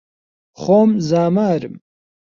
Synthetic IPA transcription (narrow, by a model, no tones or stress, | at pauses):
χomzaːmaːɾɨm